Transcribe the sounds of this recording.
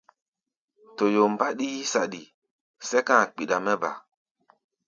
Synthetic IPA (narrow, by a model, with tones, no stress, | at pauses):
to˨jo˨m˨ba˦ɗiː˦sa˨ɗi˨ | sɛ˦kã˦˨k͡pi˨ɗa˨mɛ˦ba̰˨